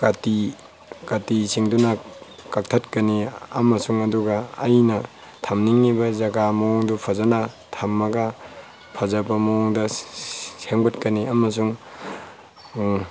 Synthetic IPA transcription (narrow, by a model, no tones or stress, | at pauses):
kati | katisiŋdunɐkak̚tʰɐt̚kɐniɐmɐsuŋɐduɡɐːjnɐ | tʰamniŋːibɐzɐɡamɐwɔŋdupʰɐzɐna | tʰamːɐɡɐ | pʰɐzɐbɐmɐwɔŋdɐ | seŋbɐtkɐniɐmɐsuŋ